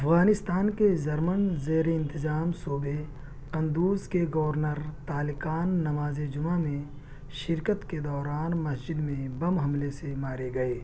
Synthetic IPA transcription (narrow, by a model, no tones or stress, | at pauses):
ɐfɣaːnɪst̪aːnkezɐɾmənzeːɾeɪ̃nt̪ɪzaːmsuːbe | kɐ̃nd̪uːzkeɡɐʋəɾnəɾt̪aːlɪkaːnːɐmaːzed͡ʒʊmamẽ | ʃɪɾkət̪ked̪ɔːɾaːnmɐsd͡ʒɪd̪mẽbɐmɦɐmlesemaːɾeɡɐeː